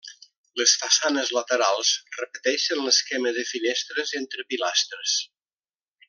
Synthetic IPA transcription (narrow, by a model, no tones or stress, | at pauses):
ləsfasanəzlət̪əɾalˠzrəpət̪ɛʃənləskɛməzðəfinɛst̪ɾəzent̪ɾəpilast̪ɾəs